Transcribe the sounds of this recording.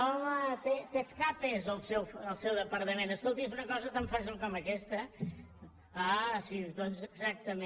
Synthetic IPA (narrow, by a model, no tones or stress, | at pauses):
ɔmət̪et̪eskapezəlˠsɛwfəlˠsɛwðəpəɾt̪əmẽnəskolˠt̪izunəkɔzət̪aɱfazəmkɔməkɛst̪ə | asiuzd̪onzəɡzak̚t̪əme